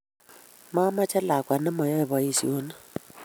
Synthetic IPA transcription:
ma˦ma˦t͡ʃɛ˦la˨kwa˨nɛ˦mɔ˨jɔ˦ɛ˨βɔ˨i˦sḭ˨o˦na˦

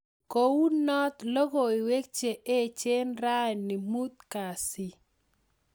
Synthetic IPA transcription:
ko˨wu˦nɔ˦t̪lo˦ɣo˨ɪ˨we˦k̚t͡ʃe˨ʔe˦˨t͡ʃe˦nɾa˦jnɪ˨mu˦t̪̚ka˨sɪ˦

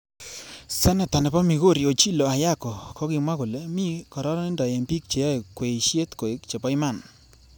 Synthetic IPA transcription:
sɛ˦na˨ta˨nɛ˨pɔ˦mi˨ɣo˦˨ɾi˨o˨t͡ʃi˦lo˨a˨ja˦kɔ˨kɔ˦ɡɪ˨mwa˦ko˨le˦mi˦kɔ˨ɾɔ˦ɾɔ˦nɪ˦nda˨je˨mbi˦k̚t͡ʃe˨ja˦˨kwe˨i˨ʃje˦t̪ko˨e˦kt͡ʃe˨pɔ˦ɪ˦ma˦˨n

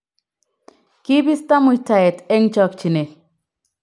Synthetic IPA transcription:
ki˦bi˦st̪a˦mʊ˨jta˨e˨t̪e˦ŋt͡ʃɔ˦kt͡ʃi˨ne˨

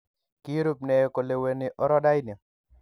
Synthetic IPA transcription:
ki˦ɾu˦p̚ne˨ko˨le˨we˨nɪ˨ʔɔ˦ɾɔ˦da˦jni˨

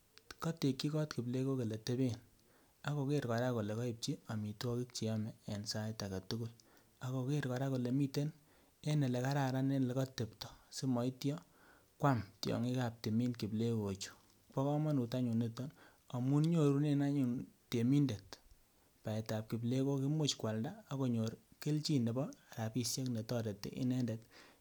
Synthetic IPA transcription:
kɔ˦te˨ki˦kɔ˦tki˨ble˦ko˦ke˨le˨te˦be˦n | a˨ko˨ke˦ɾkɔ˨ɾa˦ko˨le˨kɔ˦i˨p̚t͡ʃi˦a˨mi˨twɔ˦ki˦k̚t͡ʃi˨ɔ˦mɛː˨nsa˦jta˨ka˨tu˦ku˦j | a˨ko˨ke˦ɾkɔ˨ɾa˦ko˨le˨mi˦te˦n | e˦ne˨le˨ka˦ɾa˨ɾa˦ne˦nle˦kɔ˦te˨ptɔ̥˨si˦mɔ˨i˦tjɔ˦ | kwa˦mtjɔ̰˨ŋi˦ka˨p̚te˨mi˦nki˨ble˦ko˨t͡ʃu̥˨ | pɔ˦kɔ˦ma˦nu˨ta˦ɲu˨nːe˦tɔ˦n | a˨mu˦nɲo˦ɾu˦ne˦na˦ɲu˨nte˨mi˦nde˨t | pa˨ɛ˨ta˨p̚ki˨ble˦ko˦ki˦mo˦t͡ʃkwa˨ldaː˦ko˨ɲo˨ɾke˦lt͡ʃi˦nde˨bɔ˦a˨ɾa˨pi˦sje˦kne˨tɔ˦ɾe˨tːḛ˨ʔɪ̰˦nɛ˦ndet

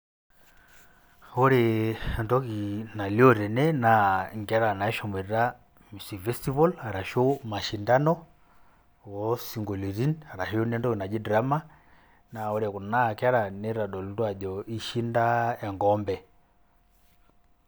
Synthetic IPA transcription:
o˦ɾe˨ɛndɔ˦ki˨na˨li˦ɔ˦ɾɛ˨nɛ˦na˨ŋɡa˦ɾa˨na˨ɛ˦ʃɔ˨mɛ˨ɾɾa˦ | mi˨sifɛ˦sti˦βɔ˦la˨ɾa˨ʃo˦ma˨ʃi˨nda˦nɔ | wɔsi˨ŋɡo˨li˨ɾi˦na˨ɾa˨ʃio˦nɛ˦ndɔ˦ki˨na˨d͡ʒi˦dɾa˦ma˦ | na˨o˦ɾɛku˨na˦˨ka˦ɾa˨nɛ˦ɾa˨ɗɔ˨lutwa˨ʄɔi˦ʃi˦nda˦ɛ˨ŋɡɔmbɛ

